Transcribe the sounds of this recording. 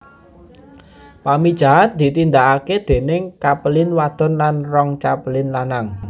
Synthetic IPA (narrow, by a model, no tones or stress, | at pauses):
pamid̥ʒ̥a̤ɦand̪̥i̤t̪ind̪aʔaked̪̥e̤nɪŋkapəlɪnwad̪̥ɔ̤nlanrɔŋt͡ʃapəlɪnlanaŋ